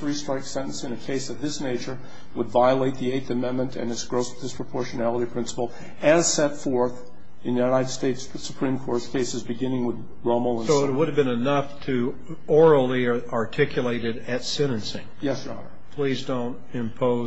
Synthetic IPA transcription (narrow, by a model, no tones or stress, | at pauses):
θɹistɹ̥aɪksɛ̃ɾ̃n̩sɨ̃nɨkʰeɪsɨt̪ðɪsneɪt͡ʃə˞ | wədvaɪəleɪt̪̚ðieɪθɨmɛ̃nmɨ̃ntʰɨ̰̃nɨtsɡ̥ɹoʊsð̥ɨspʰɹ̥əpʰɔɹʃɨnælˠəɾipʰɹ̥ɪ̃nsə̥pl̩ˠ | ɨz̥sɛtfɔɹθ | ɨ̃nɨjnaɪɾɨd̥steɪts | sə̥pʰɹ̥ĩmkʰɔɹtskʰeɪsɨzbɨɡɪ̃nɪ̃ŋwəð | ɹõʊ̃ml̩ˠə̃nsoʊət̚wʊɾɨvbɨ̃nɨnʌftʰɨ | ɔɹl̩ˠiɑɹtʰɪkʰjɨleɪɾɨɾɨtsɛ̃ɾ̃ɨ̃nsɪ̰̃ŋjɛsjə˞ɑ̰nə̰˞pʰl̥izdõʊ̃nt | ɪ̃mpʰoʊ